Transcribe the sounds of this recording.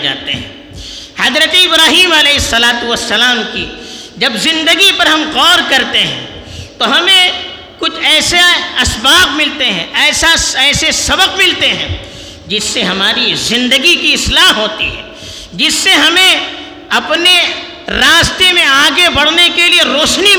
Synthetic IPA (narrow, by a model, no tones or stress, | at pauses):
d͡ʒa̰ːt̪ḛɦɛ̰̃ː | hɐzɾət̪eɪbɾaːɦiːmɐlɛːɦɪsːɐlaːt̪uʋɐsːɐlaːmkḭd͡ʒɐbzɪ̃nd̪əɡipɐɾɦɐmqɔːɾkɐɾt̪eɦɛ̰̃ | t̪oɦɐmẽ | kʊt͡ʃʰɛːseɐsbaːqmɪlt̪eɦɛ̰̃ɛːsaɛːsesɐbəqmɪlt̪eɦɛ̰̃ː | d͡ʒɪsːeɦɐmaːɾizɪ̃nd̪əɡikiɪslaːɦɦoːt̪ḭɦɛ̰ː | d͡ʒɪsːeɦɐmẽ | ɐpne | ɾaːst̪emẽaːɡebɐɽnekelieɾoːʃni